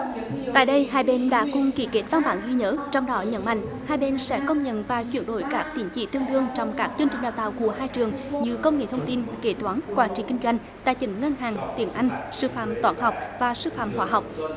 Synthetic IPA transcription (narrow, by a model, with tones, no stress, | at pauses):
t̪a̰ː˧˨jɗə˧jɦaː˧jɓe˧nɗa̰ː˧˥kʊ˨˧˩ŋ͡mki˧˩ke˦˥t̚va˧nɓaː˧˨˩nzi˧ɲəː˨˦t͡ɕɔ˧wŋ͡mɗɔ˨˦ɲə̰˧˥nma̰˧˨jŋ̟haː˧jɓe˧nsɛ̰˧˥kə˧wŋ͡mɲə̰˧˨nvaː˨˩t͡ɕwi˧˩ənɗo̰˧˩˦jkaː˦˥k̚t̪i˨˧˩ənt͡ɕḭ˧˩t̪ɨ˧əŋɗɨ˧əŋt͡ɕɔ˧wŋ͡mkaː˦˥k̚t͡ɕɨ˧nt͡ɕï˨˩ŋ̟ɗaː˨˩t̪aː˧˨wku˧˩əɦaː˧jt͡ɕɨ˨˩əŋɲɨ˧kə˧wŋ͡mŋḛ˧˩t̪ʰə˧wŋ͡mt̪i˧nke˧˩t̪waː˨˦nkwaː˧˩nt͡ɕḭ˧˩kï˧ŋzwa˧jŋ̟ | t̪a̰ː˧˨jt͡ɕ̪ï˧˨˩ŋ̟ŋə˧nɦaː˨˩ŋt̪i˨˩ənʔa˧jŋ̟sɨ˧fa̰ː˧˨mt̪waː˧˦nɦa˨˩wk͡p̚vaː˨˩sɨ˧fa̰ː˧˨mhwaː˧˩ɦɔ˨˩wk͡p̚